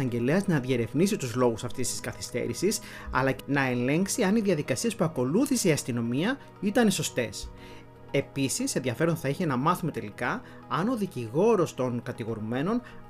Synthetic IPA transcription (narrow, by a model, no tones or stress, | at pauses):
ɐɲɟe̞leɐznɐðjeɾe̞vnisit̪uzlo̞ɣusɐft̪ist̪i̥skɐθist̪e̞̰ɾisis | ɐ̰lɐnɐe̞nle̞ŋksiɐniðjɐðikɐsiespuɐko̞luθiseiɐst̪ino̞miɐ | it̪ɐneso̞st̪e̞s | e̞pisisenðʝɐfe̞ɾo̞nθɐiçe̞nɐmɐθume̞t̪e̞likɐː | no̞ðiciɣo̞ɾo̞st̪o̞ŋkɐt̪iɣo̞ɾume̞no̞n